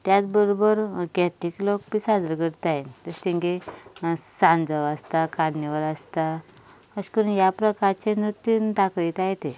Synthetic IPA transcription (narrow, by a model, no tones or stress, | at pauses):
t̪jat͡sbəɾobəɾɡɛt̪iklok̚pisad͡zɾəɡəɾt̪aet̪əst̪iŋɡe | sãnd͡zəʋəst̪akaɽniʋələst̪a | əskəɾunjapɾəkaɾt͡senɾut̪ːjund̪akit̪ajt̪e